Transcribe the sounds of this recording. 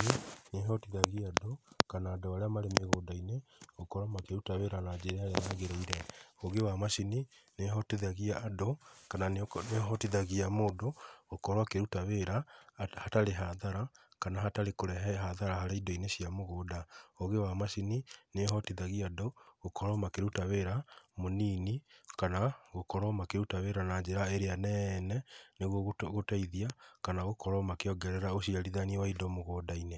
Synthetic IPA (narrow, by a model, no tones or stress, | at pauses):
ineɦɔtiðaɣiadokanaːdoaɾeamaɾemeɣoːdaineokɔɾwamakeɾutaweɾanad͡ʒeɾeaɾeanaɣeɾoiɾɛoɣewamasinineɦɔtiðaɣiaːdokananeɦɔtiðaɣiamoːdoːkɔɾwakeɾutaweɾahataɾeɦaðaɾakanaɦataɾekoɾɛɦɛɦaðaɾahaɾeidɔineɕiamoɣoːdaoɣewamasinineɦɔtiðaɣiadɔɣokɔɾɔmakeɾutaweɾamoniːnikanaɣokɔɾɔmakeɾutaweɾanaɲd͡ʒeɾaeɾeanɛnɛneɣwɔɣɣotaiðiakanaɣokɔɾɔmakeɔɡɛɾɛɾaosiaɾiðaniewaidɔmoɣoːdaine